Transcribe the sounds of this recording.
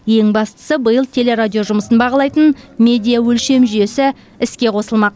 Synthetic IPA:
je̞ŋbɑst̪ə̥səbəjəlˠt̪ʲʰe̞le̞ɾad̪ʲijo̞ʒʊməsənbɑʁɑlˠɑjt̪ənmʲe̞d̪ijawɵlʃe̞mʒʏje̞sɪ | ɪskʲe̞qʰo̞səlˠmɑq̚

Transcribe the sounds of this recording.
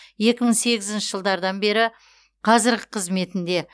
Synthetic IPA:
je̞kʲɪməɴse̞ɡʲɪzɪnʃɪʒəlˠd̪ɑɾd̪ɑnbe̞ɾɪ | qʰɑzɪɾɡʲɪqʰəzme̞t̪ɪnd̪e̞

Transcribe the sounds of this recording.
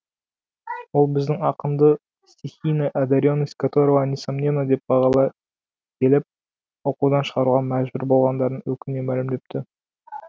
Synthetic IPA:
wo̞lˠbɪzd̪ɪŋɑqəmd̪ə | sʲt̪ʲixʲijnəʔæd̪ɑɾʲjonːəsʲt̪ʲkʰat̪oɾəvɑnʲesɑmnʲenəd̪e̞p̚bɑʁɑlˠɑ | kʲʰe̞lɪp̚ | woqud̪ɑnʃə̥ʁɑɾuʁɑmæʒbɪɾbo̞lˠʁɑnd̪ɑɾd̪ənwɵkʲɪnme̞mælɪmd̪e̞p̚t̪ʰɪ

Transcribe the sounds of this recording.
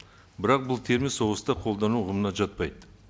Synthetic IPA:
bɪɾɑq̚bʊlˠt̪ʰe̞ɾmiso̞ʁəst̪ɑqʰo̞lˠd̪ɑnuʁəmənɑʒɑt̪̚pɑjd̪ə

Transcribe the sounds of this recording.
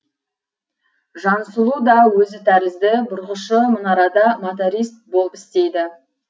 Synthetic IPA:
ʒɑnsəlˠud̪ɑwɵzɪt̪ʰæɾɪzd̪ɪbʊɾʁəʃəmʊnɑɾɑd̪ɑmot̪oɾʲist̪̚bo̞lˠəpɪ̥st̪e̞jd̪ɪ

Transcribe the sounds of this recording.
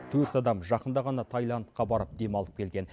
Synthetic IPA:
t̪ʰɵɾt̪ɑd̪ɑmʒɑqənd̪ɑʁɑnɑt̪ʰɑjlˠɑnt̪qɑbɑɾəp̚d̪e̞mɑlˠəp̚kʲʰe̞lɡʲe̞n

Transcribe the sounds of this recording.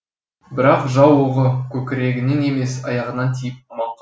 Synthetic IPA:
bɪɾɑqʒɑwoʁəkʲʰɵkʲɪɾe̞ɡʲɪnene̞me̞sɑjɑʁənɑnt̪ʰijɪp̚ɑmɑɴq

